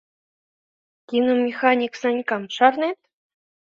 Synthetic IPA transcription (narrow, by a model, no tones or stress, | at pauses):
kʲinomʲixɑnʲiksɑnʲkɑmʂɑrnet̪